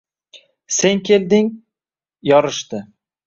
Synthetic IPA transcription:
se̞ŋkʲʰe̞ld̪ɪŋ | jɒɾɪʃt̪ɪ

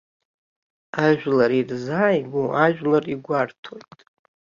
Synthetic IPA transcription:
aʒᶣlaɾirzaːjɡʷuʔaʒᶣlariɡʷartʰo̞jtʼ

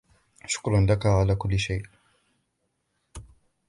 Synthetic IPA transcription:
ʃʊ̥kɾˤɑnlakaʕalaːkʊlːɪʃajʔ

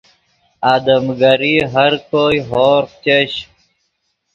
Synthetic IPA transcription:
aːd̪əmɡɐɾiːɦɐɾkoːiɦoːɾt͡ɕeɕ

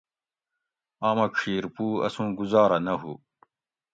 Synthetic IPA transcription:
aːmɐkʂʰiːɾpuːɐ̰sũːɡuzɑːɾɐnɐɦṵ

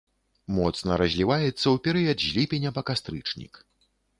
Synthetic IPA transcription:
mɔt̪snɐɾɐzʲlʲivajɛt̪sːɐwpʲɛɾɨjɐd̪ʑʲlʲipʲenʲɐpɐkast̪ɾɨt͡ʂnʲḭk

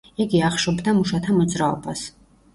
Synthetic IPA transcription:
iɡiaχʃɔbd̪amuʃat̪ʰamɔd̪zɾaɔ̰bas

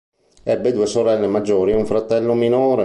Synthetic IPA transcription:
ɛbːed̪uːesoɾɛlːemad͡ʒːoːɾiuɱfɾat̪ɛlːominoːɾe

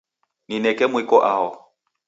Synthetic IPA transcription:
ninɛkʼɛmwɪkʼɔʔaɔ

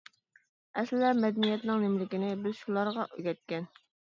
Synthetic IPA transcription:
ɛslɪlɛmɛd̪ɛnijɛt̪nɪŋnɪmlɪkʲɪnɪbɪzʃulˠɑɾʁɑʔøɡʲɛt̪̚kʲɛn

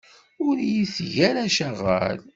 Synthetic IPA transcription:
ʊɾjisʝæɾæʃæʁæ̰l

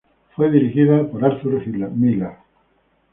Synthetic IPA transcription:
fweðiɾixiðapoɾaɾθuɾxilamila

